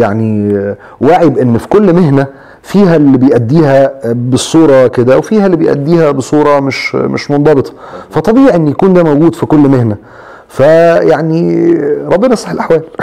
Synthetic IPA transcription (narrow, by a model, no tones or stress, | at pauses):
jaʕni | waʕibʔenːfi̥kolːmeɦnæ | fiːɦælːibejʔæd̪ːiːɦæbesˤːuːɾˤɑked̪æwefiːhælːibejʔæ̰d̪ːiːhæbesˤuːɾˤɑmeʃmḛʃmond̪ˤɑbet̪ˤɑ̥fæt̪ˤːɑbiːʕiʔenːjækuːnd̪æːmowɡuːd̪fikolːmehnæ | fæjaʕniɾˤɑbːenɑsˤħelʔaħwæːl